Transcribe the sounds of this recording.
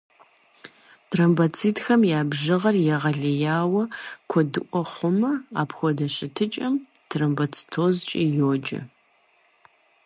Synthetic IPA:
tʰrɐmbɐt͡sʰiːtxɐmjaːbʒɨʁɐrjɛʁɐɮɐjaːwɐkʷʰɔdɨʔʷʼɔχʷʊmɐa̰ːpʰxʷɔdɐɕʼɪtʰɨt͡ʃʼɐm | tʰrɐmbɐt͡sʰi̥tʰoːzt͡ʃʼijoːd͡ʒʼɐ̰

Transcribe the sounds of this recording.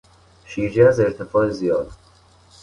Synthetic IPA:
ʃiːd͡ʒɛæzeɾt̪ʰefɒːezijɒːd̪

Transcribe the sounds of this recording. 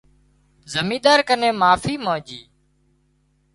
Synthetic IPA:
zəmĩːd̪aːɾkəneːmaːfiːmãːd͡ʒiː

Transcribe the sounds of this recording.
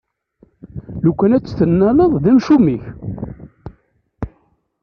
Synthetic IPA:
lukʷːænæt͡sːθənːæləðˤðæmʃumiç

